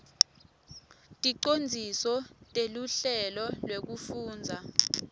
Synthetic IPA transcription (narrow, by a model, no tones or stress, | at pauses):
tʼiǃond͡zʱisɔtʼeluɬɛlɔlwek̬ufuːnd͡zʱa